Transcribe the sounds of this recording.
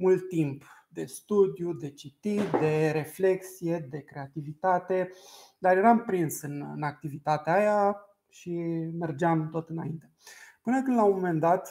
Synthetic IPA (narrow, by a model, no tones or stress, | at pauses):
mult̪ːimpd̪e̞st̪ud̪jud̪e̞t͡ʃit̪id̪e̞ɾe̞fle̞ksije̞d̪e̞kɾe̞at̪ivit̪at̪e̞d̪arje̞ɾampɾinsɨnɨ̰nak̚t̪ivit̪at̪eaja | ʃime̞rd͡ʒeamt̪o̞t̪ɨnaint̪e̞pɨnəkɨnd̪lawmome̞nd̪at̪